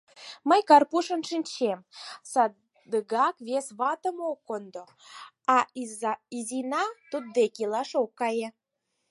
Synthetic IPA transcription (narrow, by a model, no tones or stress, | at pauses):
məjkɑrpuʃənʃinʲt͡ɕemsɑ | d̪əɡɑkβesβɑt̪əmokːond̪o | ɑ | izinɑt̪ud̪̚ːekilɑʃokːɑje